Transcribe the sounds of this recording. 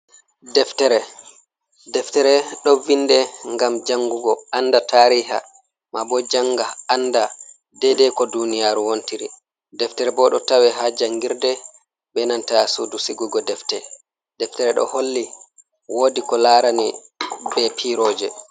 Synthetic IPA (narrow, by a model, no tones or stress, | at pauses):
dɛftɛɾɛ | dɛftɛɾɛɗɔvindɛŋɡamd͡ʒaŋɡuɡɔanːdataɾiːɦa̰ | mabɔd͡ʒaŋɡaanda | dɛdɛkɔdunijaːɾuwontiɾḭ | dɛftɛɾɛbɔɗɔtawɛɦad͡ʒaŋɡiɾdɛ | ɓbɛnantasudusiɡuɡɔdɛftɛ | dɛftɛɾɛɗɔ̰holːi | woːdikɔlaɾani | bɛpʰiɾoːd͡ʒɛ